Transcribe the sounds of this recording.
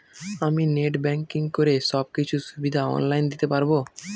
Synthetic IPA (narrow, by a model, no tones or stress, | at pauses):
amineʈbɛŋkiŋkoɾeʃɔb̚kit͡ɕʰuʃubid̪ʱaɔ̰nlajnd̪it̪epaɾbo